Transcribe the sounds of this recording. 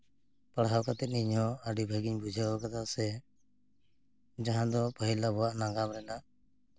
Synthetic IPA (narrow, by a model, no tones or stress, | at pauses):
pəɽɦawkat̪ɛt̪̚niɲɦɔəɖibʱəɡiɲbud͡ʒʱaakat̪ʰasɛ | d͡ʒaɦãd̪ɔpəɦilabɔwaʔnaŋɡamɾɛnaʔ